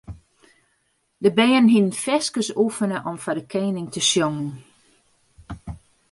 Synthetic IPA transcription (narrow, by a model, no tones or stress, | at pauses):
dəbɛːənɦinnfɛskəsufənəʔɔmfadəkʰeːnɪŋtəsjoŋən̩